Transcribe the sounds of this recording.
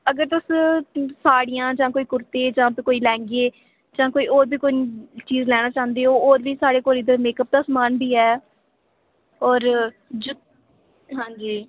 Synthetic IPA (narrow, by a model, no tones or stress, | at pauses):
əɡəɾt̪ʊssaːɽijãːd͡ʒãːkoːiːkʊɾt̪ẽːd͡ʒãːkoːiːlɛ̃ːŋɡeː | d͡ʒãːkoːiːoːɾbiːkʊnit͡ʃiːzlɛːɽ̃aːt͡ʃãːnd̪eːɦoːoːɾbiːsaːɽeːkoːlɪd̪əɾmeːkəp̚d̪aːsmaːnbʱiːɛː | ɔːɾ | d͡ʒʊ | ɦãːɲd͡ʒiː